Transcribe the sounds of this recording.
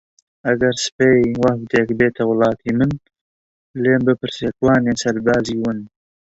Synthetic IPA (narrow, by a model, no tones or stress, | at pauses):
ɐɡɐɾspejwɐhkd̪eːkbeːt̪ʰɐwlˠɑːt̪ʰiːmɨn | leːmbɨpɨɾseːkwɑːneːsɐɾbɑːziwɨn